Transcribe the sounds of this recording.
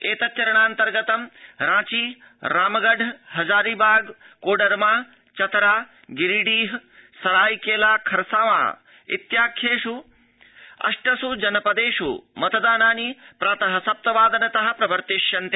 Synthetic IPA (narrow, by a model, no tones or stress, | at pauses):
eːt̪ɐt͡ʃːɐɾɐɳ̃aːnt̪ɐɾɡɐt̪ɐmɾãːt͡ʃiː | ɾaːmɐɡɐɖʱɦɐd͡ʒaːɾibaːɡ | koːɖɐɾmaː | t͡ʃɐt̪ɾaː | ɡiɾiɖiːɦsɐɾaːjkeːlaːkʰɐɾsaːʋa̰ː | ḭt̪jaːkʰjeːʂu | ɐ̰ʂʈɐsud͡ʒɐnɐpɐd̪eːʃṵmɐt̪ɐd̪aːnaːnipɾaːt̪ɐɦɐsɐp̚t̪ɐʋaːd̪ɐnɐt̪ɐɦɐ̆pɾɐbɐɾt̪iʃjɐnt̪e